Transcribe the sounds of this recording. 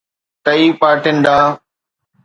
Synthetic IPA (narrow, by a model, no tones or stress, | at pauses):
t̪əiːpaːʈɪnd̪aː